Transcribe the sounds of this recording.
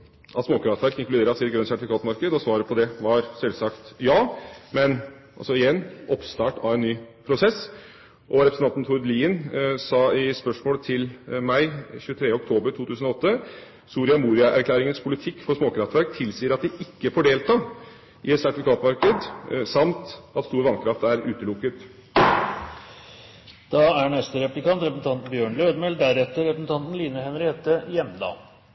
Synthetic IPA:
ʔɑt̪smoːkʰɾɑft̪ʋæɾkɪŋklʉd̪eːɾɑsɪːt̪ɡɾœnsæʈɪfɪkʰɑːt̪mɑɾkəd̪ɔsʋɑːɾəpʰɔd̪ɛʋɑɾsɛlsɑkt̪jɑːmɛn | ɑ̰lsɔɪjɛnːʔɔpst̪ɑːʈɑ̰ʋɛnːyːpʰɾʊsɛs | ʔɔɾɛpɾsnɑnt̪n̩t̪ʰʊɾliːnsɑːɪspœʂmoːlət̪ʰɪlmæɪçʉːət̪ʰɾeːəɔk̚t̪ʰoːbəɾʈ̪ʰuːt̪ʰʉːsənɔɔt̪ːə | suːɾɪɑmuːɾɪɑʔæɾkʰlæːɾɪŋənspʰʊlɪt̪ʰɪkːfɔsmoːkʰɾɑft̪ʋæɾk̚t̪ʰɪlsiːəɾɑt̪̚d̪ɪʔɪkːəfɔɖeːlt̪ɑ | ʔɪɛt̪sæʈ̪ɪfʋɪkʰɑːt̪mɑɾkəd̪sɑmt̪ɑt̪st̪uːɾʋɑnkʰɾɑft̪æɾʉːt̪əlʊkːət̪ | d̪̥ɑːæɳɛst̪əɾɛplɪkɑnt̪ɾɛpəsn̩t̪ɑnt̪n̩bjøːɳløːd̪mɛld̪æɾɛt̪ːəɾɾɛpəsn̩t̪ʰɑnt̪n̩liːnəhɛnɾeːt̪əjɛmd̪ɑ̰ː

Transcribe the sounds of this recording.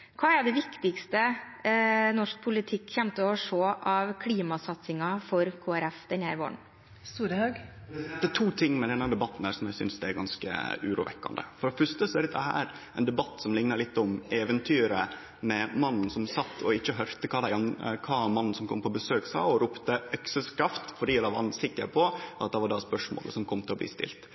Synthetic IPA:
kʰɑːæɖɛʋɪkt̪ɪkst̪ə | nɔʂk̚pʰʊlɪt̪ʰɪkːçɛmt̪əɔʂoːʔɑʋkʰliːmɑsɑt̪sɪŋɑfɔɾkʰoːæɾɛfd̪ɛnhæːɾʋo̰ːɳ | st̪uːɾəhɑɡ | d̪æʈtʰuːt̪ʰɪŋːmɛd̪ɛnːɑd̪ɛbɑt̪ːn̩hæːɾʂsɔmjæɪsʏ̰nsd̪ɛæɾɡɑnskə̰ʉ̰ːɾṵːʋɛ̰kːɑ̰nd̪ə̰fɔɾɔfʉst̪əsɔɛɾɛt̪d̪ɛhæ̰ːɾ | ʔɛnd̪ɛbɑt̪ːsɔmlɪŋnɑɾlɪt̪ːʊmeːʋənt̪ʰyːɾə | mɛmɑnːn̩sɔmsɑt̪ːɔɪçːəɦœɾt̪əkʰɑːd̪æɪɑnkʰɑːmɑnːn̩sɔmkʰɔmpʰɔbəsøːksɑ̰ːɔɾʊpt̪əœksəskɾɑft̪fɔɖiːɔd̪ɑʋɑnsɪkːəɾpʰɔʔɑt̪̚d̪ɛʋɑɖɑspœʂmo̰ːlə̰sɔmkʰɔmːt̪ɪlɔblḭːst̪ɪ̰lt̪

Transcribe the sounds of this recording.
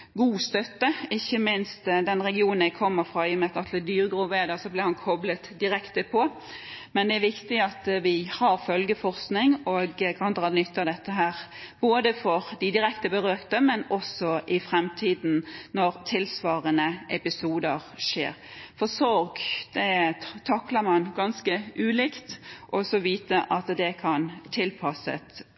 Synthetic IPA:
ɡuːst̪œt̪ːəɪçːəmɪnst̪d̪ɛnɾɛɡɪuːnnɪkʰɔmːəɾfʁɑɪjɔmɛt̪ɑt̪ʰl̩d̪yːɾəɡɾuːʋeːd̪ɑsɔblɪhɑnkʰɔblət̪d̪ɪɾɛkt̪əpʰɔ | mɛnd̪ɛæɾʋɪkt̪ɪɑt̪ʋɪhɑɾfœlɡəfɔɾsknɪŋɔɡkʰɑhɑnd̪ʁɑːd̪nʏt̪ːɑd̪ɛt̪ːəɦæːɾboːd̪əfɔɾd̪ɪd̪ɪɾɛkt̪əbəɾøːkt̪əmɛnɔsɔʔɪfɾɛmt̪ʰiːd̪n̩nɔɾt̪ʰɪlsʋɑːɾənəʔɛpɪsuːd̪əɾʂḛːɾfɔsɔɾɡd̪̥ɛt̪ʰɑkləmɑnɡɑnskəʔʉːliːkt̪ʔɔsɔʋiːt̪əʔɑt̪d̪ɛkʰɑnt̪ʰɪlpʰɑsə̰t̪

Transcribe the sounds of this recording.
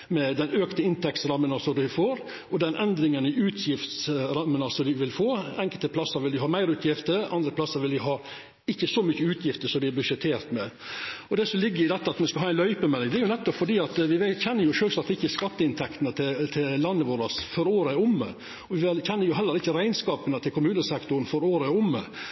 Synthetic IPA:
mɛd̪ɛnøːkt̪əɪnt̪ʰɛkt̪sɾɑmːənɑsɔd̪ʉfoːɾ | ɔd̪ɛnʔɛnd̪ɾɪŋənɪʉːt̪ʰjɪft̪sɾɑmːənɑsɔd̪ɪʋɪlfoːɛŋkəlt̪əpʰlɑsəɾʋɪld̪ɪhɑːmæɪɾʉːt̪ʰjɪft̪əɾɑ̰nd̪ɾəplɑsːəɾʋɪld̪ɪɦɑː | ɪçːəsɔmʏçəʉːt̪ʰjɪft̪əsɔmd̪ɪɛɾbʉʂɛt̪ʰeːɾt̪mɛ | ɔd̪ɛsɔmlɪɡːəɾɪd̪ɛt̪ːɑɑt̪mɛnskɑlɑːæɪnlœʏpəmɛlːɪd̪ɛæɾjʊnɛt̪ːɔpfɔɖiːɑt̪ʋɪʋɛçɛnːəɾjʊʃøːlsɑt̪ːɪçːəskɑt̪ːəɪnt̪ʰɛkt̪ənət̪ʰɪt̪ʰɪllɑnːəʋoːɾɑsfɔɾoːɾəæɾʊmːə̰ | ɔʋɪʋɛlçɛnːəɾjʊɦɛlːəɾɪçːəɾæɪnskɑːpənət̪ʰɪlkʊmʉːnəsɛkt̪ʊɾnfɔɾoːɾəɛʊmːə

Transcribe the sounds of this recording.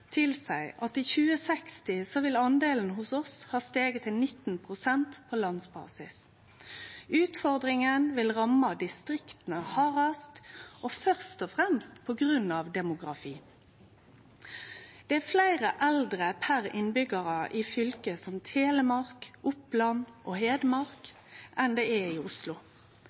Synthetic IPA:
t̪ʰɪlsæɪʔɑt̪iːçʉːəsɛkst̪ɪsɔʋɪlɑnd̪eːln̩ɦʊsɔshɑːst̪eːɡət̪ʰːɪlnɪt̪n̩pʰʁʊsɛnt̪pʰoːlɑnsbɑ̰ːsɪs | ʉːt̪fɔʁd̪ʁɪŋənʋɪlʁɑmɑd̪ɪst̪ʁɪkt̪ən̩əhɑːʁɑst̪ʔoːfœʁst̪ɔfʁɛmst̪pʰɔɡʁʉnɑːʋd̪ɛmʊɡʁɑ̰fiː | d̪̥ɛːæflæɪʁəʔæld̪ʁəpʰæʁɪ̰nbʏɡəʁɑʔiːfʏlkəsɔmt̪ʰeːləmɑʁkʔʊplɑnʔoːɦeːd̪mɑʁk | ʔɛnd̪eːɛiːʊslʊ

